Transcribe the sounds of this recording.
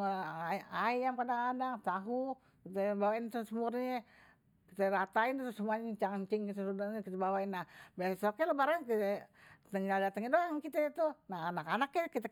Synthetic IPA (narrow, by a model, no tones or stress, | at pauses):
aajamkadaŋadat̪aɦu | kit̪ɛbawaint̪usəmurɲɛ | kit̪ɛɾat̪aint̪t̪usəmuaɲɛt͡ʃaɲt͡ʃiŋkit̪esudaɲɛkit̪ɛbawainːahbɛsokɛlobaɾəŋkit̪ɛt̪əŋɡaldat̪əŋɛdoaŋkit̪ɛt̪unaɦanakanakjɛkit̪ɛ